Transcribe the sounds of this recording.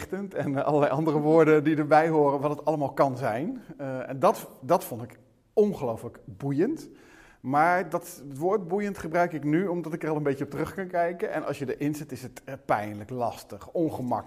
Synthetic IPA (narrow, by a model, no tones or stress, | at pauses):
təntɛnɑ̰lˠəlɛjʔɑndərəʋoːɹdədidəɹbɛjɦoːrənʋɑlˠətɑləmaːlˠkɑnzɛjnɛndɑtdɑtfɔntɪk | ɔnχəlowfləkbujənt | maːɹdɑtʋoːɹt̚bujəntχəbrœɥkɪknyɔmdɑtɪkərɑlˠənbeəɔp̚tərɵχkɑnkɛjkənʔɛ̰nʔɑ̰sjədəʔɪnzɛtɪsətpɛjnləklɑstəχɔnχəmɑ̰k